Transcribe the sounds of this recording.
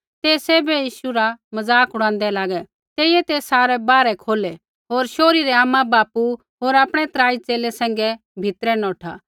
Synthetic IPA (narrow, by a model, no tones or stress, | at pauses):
t̪eːsɛːbɛjiːʃuɾamɐzaːkɦʊɽ̃ãːnd̪ɛlaːɡɛ | t̪eːɪjɛt̪eːsaːɾɛbaːɾɛkʰoːlɛ | ɦoːɾʃoːɾiɾɛaːmãbaːpu | ɦoːɾaːpɽ̃ɛt̪ɾaːit͡seːlɛsɛ̃ːŋ̆ɡɛ | bʱɪt̪ɾɛnɔːʈʰa̰